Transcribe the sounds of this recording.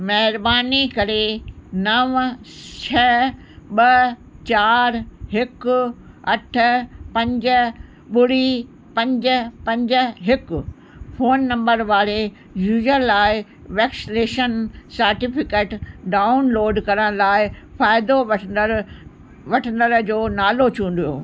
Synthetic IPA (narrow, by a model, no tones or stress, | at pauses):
mɐɦɪɾbaːnikɐɾenɐʋt͡ɕʰɐ | ɓɐt͡ɕaːɾɦɪkʊ | ɐʈʰʊ̆pɐ̃ɲd͡ʑə̆ | ɓʊɽi | pɐ̃ɲd͡ʑʊ̆pɐ̃ɲd͡ʑʊ̆ɦɪkʊ | foːnːɐ̃mbəɾʋaːɾe | juːd͡ʒəlːaːɪ | ʋeːksleːʃənsɐɾʈɪfɪkeːʈɖaːʊnloːɖkɐɾəɽ̃laːɪfaːɪd̪oɐ | ʋɐʈʰənd̪əɾd͡ʑoːnaːlot͡ɕʰũːn̆d̪ijo̰ː